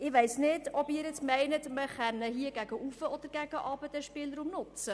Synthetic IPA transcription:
ɪʋɛɪsnɪdɔbɪːɾjɛt͡smɛɪnətməχɛnəɦiəɡ̥æɡəʔufəɔd̪əɾɡæɡ̥əʔɑːbədɛʃpɪlɾumnʊt͡sə

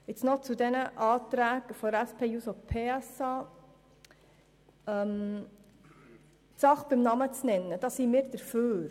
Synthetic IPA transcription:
ɪt͡snɔt͡sud̪ɛnəʔɑːt̪ɾæːɡ̥əfɔdɾæspʰeːjusopʰeːɛsɑː | m | tsɑχb̥ɪmnɑmət͡snɛnːəd̥ɑːsimɪːɾd̥̪əɾføːɾ

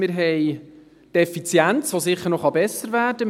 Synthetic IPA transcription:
ɪɾɦɛj | tɛfit͡sjænt͡sʋosɪχːəɾnɔχɑbɛsəɾvæːɾd̥ə

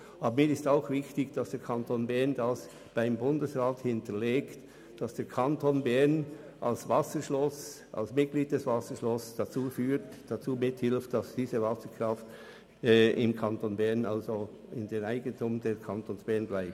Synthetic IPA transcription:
ʔɑːbəmiːɾɪstaʊxvɪçtɪçd̥ɑsd̥eːɐkʰɑntoːnbɛʁndɑs | b̥aɪmbʊndəsʁaːthɪntəleːkt | d̥ɑsd̥eːɐkʰɑntʰonbɛɐn | ʔɑlsvɑsəʃlos | ʔɑ̰lsmɪt̚ɡliːd̚d̥ɛsv̥ɑsəʃlɔsd̥at͡suːfyːtd̥at͡suːmɪthɪlftd̥ɑsd̥iːzəvɑsəɹkr̥ɑftː | ɪmkʰɑntoːnbɛɐnʔɑlzo | ɪndeːnaɪɡəntʰuːmdɛkʰɑntʰoːnsb̥ɛɐnblaɪp̚

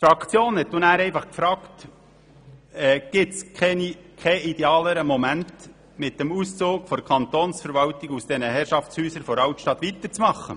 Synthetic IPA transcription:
fɾɑkʰt͡sjoːnhɛt̚dʊnæːɾɛɪfɑχkfɾɑːkt | ɛːɡ̥ɪtskʰɛnikʰɛid̥eɑːləɾəmɔmænt | mɪt̚d̥ɛmust͡soːkfɔɾkʰɑnt̪onsfəɾʋɑltɪɡusd̥ɛnəɦɛɾʃɑft͡shyːsəɾfɔɾɑwtʃtɑt̪ʋitət͡smɑχːə̰

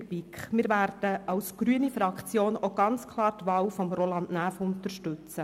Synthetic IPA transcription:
bikχmɪːɾvæːɾd̥əɑwsɡ̥ɾyənifɾɑkχt͡sjoːnoɡ̥ɑnt͡skʰlˠɑːɾtʋɑːwfɔmɾolɑndnæːfʊntəɾʃtɵt͡sə

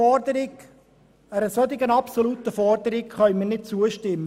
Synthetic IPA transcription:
ɔdəɾɪɡ | æɾəsɔd̪ɪɡənɑpsolut̪əfɔrd̪əɾɪɡχœʏmiːrnɪt̚t͡suəʃtɪmːə

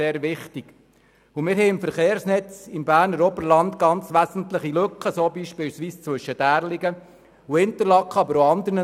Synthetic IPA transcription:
eːɾʋɪχt̪iɡ̥ | umɪɾɦɛɪɪmfəɾχeːɾsnɛt͡sɪmbæːɾnəɾɔbəɾlɑnd̪ɡ̥ɑnt͡sʋæzən̩t̪ləχilɵkχəsoːbiːʃpiːlsʋiːst͡sʋɵʃəd̥æːɾliɡə | uɪnt̪əɾlɑkχəɑbəɾoɑnd̪əɾnə

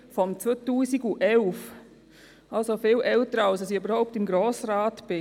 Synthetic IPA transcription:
fɔmt͡sʋoːtuːsiɡuʔɛlf | alsofɪːlʔɛltəɾəalsɑsiybəɾhɔʊp̚tɪmɡɾoːsraːtb̥ɪ

